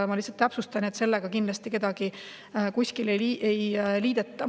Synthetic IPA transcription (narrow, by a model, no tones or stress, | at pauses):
mɑlisːɑlt̪ːæpsust̪ɑnet̪se̞lːeɡ̥ɑkind̪lɑst̪ike̞d̪̥ɑɡ̥i | kusʲkileiːejliːd̪̥et̪ːˑɑ